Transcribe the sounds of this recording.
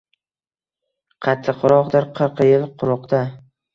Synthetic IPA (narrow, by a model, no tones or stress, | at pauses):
qʰɑt̪ʰːɪqʰʊɾɒqd̪ɪɾqʰɨɾqʰjɪlˠqʰʊɾʊqd̪a